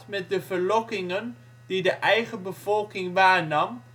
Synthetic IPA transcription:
tmɛt̚dəvəɹlɔkɪŋən | didəʔɛjχəbəv̥ɔlˠkɪŋʋaːɹnɑm

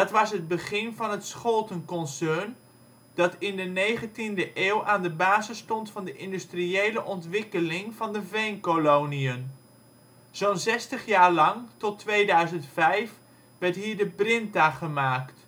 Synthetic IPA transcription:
dɑtʋɑsɦəd̚bəχɪnvɑnɦətsχɔlˠtənkɔnsœɹn | d̥ɑtɪndənejχəntindəʔeːwʔaːndəbaːzəstɔntfɑndəʔɪndystriejləʔɔntʋɪkəlɪŋv̥ɑndəvejnkolowniən | z̥ownzɛstəχjaːɹlɑŋtɔtʋejdœɥzəntfɛjf | ʋɛɹtɦiːɹdəprɪntaχəmaːkt

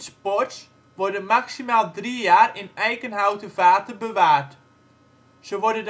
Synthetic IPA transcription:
spɔrts | ʋɔrdəmaksimaːlˠdrijaːrɪnɛjkənɦawtəvaːtərbəʋaːrt | səʋɔrdəd

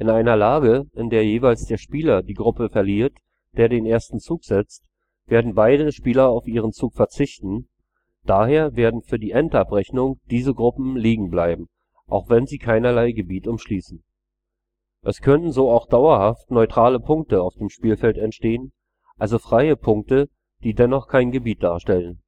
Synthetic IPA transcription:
ʔɪnaɪnɐlaːɡəʔɪndeːɐjeːvaɪlsd̥eːɐʃpiːlɐdiːɡʁʊpəfɛɐliːɐt | d̥eːɐdeːnʔeːɐstn̩t͡suːkz̥ɛt͡st | v̥eːɐdn̩baɪɾəʃpiːlɐaʊfʔiːʁ̞ənt͡suːkfɛɐt͡sɪçtn̩ | d̥aːheːɐveːɐdn̩fyːɐdiːʔɛntʔapʁɛçnʊŋd̥iːzəɡʁʊpm̩liːɡŋ̩blaɪbm̩ | ʔa̰ʊxv̥ɛnziːkʰaɪnɐlaɪɡəbiːtʔʊmʃliːsn̩ | ʔɛskʰœnənzoːaʊxd̥aʊɐhaftnɔʏtʁ̥aːləpʰʊŋk̚təaʊfd̥eːmʃpiːlfɛltɛntʃteːən | ʔalzofʁ̥aɪəpʰʊŋk̚tə | d̥iːdɛnɔχkʰaɪnɡəbiːt̚d̥aːɐʃtɛlən

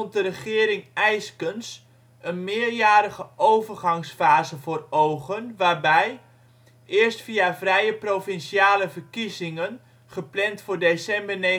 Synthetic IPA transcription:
nt̚dərəχɪːɾɪŋɛjskəns | ənmɪːrjaːɾəɣəʔowvərχɑŋsfaːzəvoːrowχənʋaːrbɛj | ʔɪːərstfiavrɛjəprofɪnsiaːləvərkizɪŋən | χəplɛntfʊːrdesɛmbərne

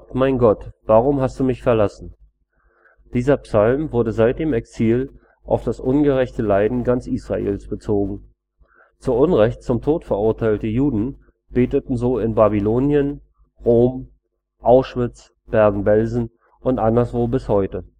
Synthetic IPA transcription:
maɪnɡɔtv̥aːʁʊmɦast̚d̥uːmɪçfɛɐlasn̩ | d̥iːzɐpsalmvʊɐdəzaɪt̚d̥eːmɛksiːl | ʔa̰ʊfd̥asʔʊnɡəʁɛçtəlaɪdn̩ɡant͡sʔiːsʁ̥a̰ʔḛːlsb̥ət͡soːɡŋ̩ | t͡suːɐʔʊnʁɛçtt͡sʊmtʰoːtfɛɐʔʊɐtʰaɪltəjuːdn̩ | b̥eːtətn̩zoːɪnbabiloːnjən | ʁoːm | ʔaʊʃv̥ɪt͡s | b̥ɛɐɡŋ̩bɛlzn̩ | ʔʊntʔandɐsv̥oːbɪshɔʏtə

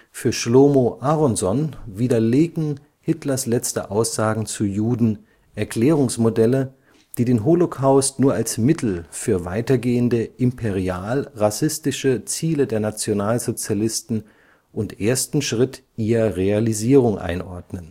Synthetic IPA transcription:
fyːɐʃloːmoʔaʁɔnzɔnviːdɐleːɡn̩ | hɪtlɐslɛt͡stə̰ʔaʊsz̥aːɡŋ̩t͡sujuːdn̩ | ʔɛɐkl̥ɛːʁʊŋsmodɛlə | d̥iːdeːnɦolokʰaʊstnuːɐʔalsmɪtʰl̩fyːɐva̰ɪtɐɡeːəndəʔɪmpʰeʁiaːlʁasɪstɪʃət͡siːlədeːɐnat͡sjonaːlzot͡sjalɪstn̩ | ʔʊntʔeːɐstn̩ʃʁ̥ɪtʰʔiːʁɐʁealiziːʁ̞ʊŋʔa̰ɪnʔɔ̰ɐdnən

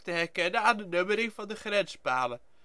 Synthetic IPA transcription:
təɦɛɹkɛnənaːndənɵməɾɪŋvɑndəχrɛnspaːlə

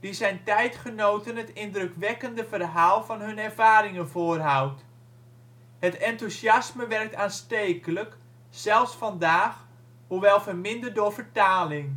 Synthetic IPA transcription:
dizɛjntɛjtχənowtənɦətɪndrøkʋɛkəndəvərɦaːlˠvɑnɦɵnɛrv̥aːɾɪŋənvʊːrɦawt | hətɛntusjɑsməʋɛrk̚taːnsteːkələk | sɛlˠfsfɑndaːx | huʋɛlˠvərmɪndərdʊɹvərtaːlɪŋ

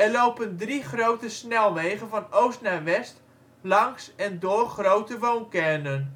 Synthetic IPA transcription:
ɛrlowpəndriχrowtəsnɛlˠʋejχənvɑnowstnaʋɛst | lɑŋsɛndoːrχrowtəʋonkɛnən

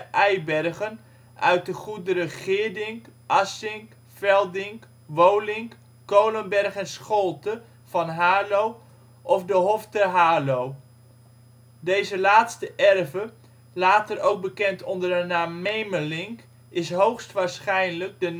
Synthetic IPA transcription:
ʔɛjbɛrχən | ʔœ̰ɥt̚dəχudərəχɪːɹdɪŋʔɑsɪŋ | fɛlˠdɪŋk | ʋowlɪŋkː | owlənbɛrχɛnsχɔlˠtə | v̥ɑnɦaːlow | ʔɔfdəɦɔftəɦaːlow | dejzəlaːtstəʔɛrvə | laːtəɾowk̚bəkɛntɔndərənaːmːejməlɪŋk | ɪsɦowχstʋaːɹsχɛjnləɡ̚də

